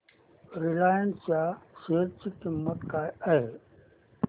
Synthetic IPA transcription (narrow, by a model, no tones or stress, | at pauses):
ɾɪlaːjənst͡ɕaːʃeːɾt͡ɕikɪmːət̪kaːɐɦeː